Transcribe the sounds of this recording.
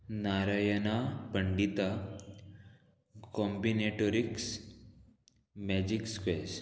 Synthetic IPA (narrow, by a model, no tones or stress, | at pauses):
naɾajənapəɳɖit̪a | kɔmbineʈoɾiks | mɛd͡ʑikskʋes